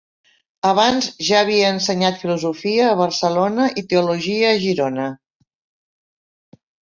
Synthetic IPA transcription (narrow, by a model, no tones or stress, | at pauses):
əβ̞anzʒaːβ̞iəːnsəɲat̪filuzufiəːβ̞əɾsəlonəʔit̪euluʒiəːʒiɾonə